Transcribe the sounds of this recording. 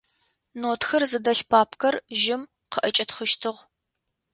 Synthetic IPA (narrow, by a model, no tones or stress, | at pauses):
noːtʰxɐrzɨdɐɬpʰaːpʰkʰɐrʒɪm | qəʔɐt͡ʃʼɐtχʊʃtʰɨʁ